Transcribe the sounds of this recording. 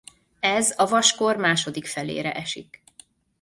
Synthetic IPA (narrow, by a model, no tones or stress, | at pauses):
ɛzɒvɒʃko̞rmaːʃo̞d̪ikfɛlḛːɾɛ̰ʔɛʃḭk